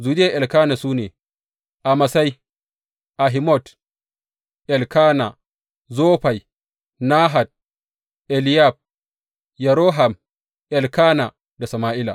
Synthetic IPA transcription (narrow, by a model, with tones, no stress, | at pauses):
zuː˨dɪ˦ja˦˨ʔɛ˨lkaː˦na˨suː˦neː˨ | ʔa˨ma˨sa˦j | ʔa˨ɦi˨mɔ˦˨t | ʔɛ˨lkaː˦na˨ | zoː˦ɸa˨j | naː˦ɦa˨d̚ | ʔɛ˨lɪ˦ja˦˨b̚ | ja˨ɾoː˦ɦa˨m | ʔɛ˨lkaː˦na˨ | da˨sɐ˨maː˦ʔɪ˦la̰˨